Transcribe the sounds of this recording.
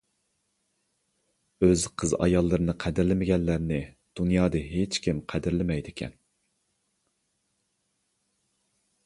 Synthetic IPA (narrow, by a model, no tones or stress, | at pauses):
øzqʰəzɑ̰jɑlˠːɨɾɨnɨqʰæd̪ɪɾlɪmɪɡʲɛnlːæɾnɪ | d̪̥unjɑːd̪ɨɦet͡ʃkʲʰimqʰæd̪ɪɾlɪmɛjd̪ɪkʲʰɛ̰n